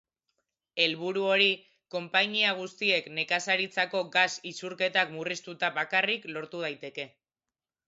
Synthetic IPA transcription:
e̞lβuɾuo̞ɾi | ko̞mpaɲiaɣ̞ust̪ie̞kne̞kasaɾit͡sako̞ɡasisuɾke̞t̪akmurist̪ut̪aβakariklo̞ɾt̪uð̞ajt̪e̞ke̞

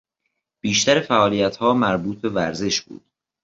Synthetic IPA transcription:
b̥iːʃt̪æɾefæʔɒːliːjæt̪hɒːmæɾbuːt̪̚be̞væɾze̞ʃbṵːd̪̥̚

